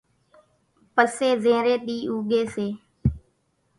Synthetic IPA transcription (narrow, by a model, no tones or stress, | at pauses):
pəseːzẽːɾeːɗiːʔuːɡeːseː